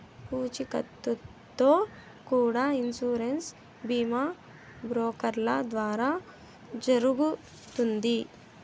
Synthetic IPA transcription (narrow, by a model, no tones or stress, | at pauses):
puːt͡ʃikɐ̰t̪ːut̪ːoː | kuːɽainsuːɾens | biːma | bɾoːkɐɾlɐd̪ʋaːɾaː | d͡ʒɐɾuɡu | t̪und̪i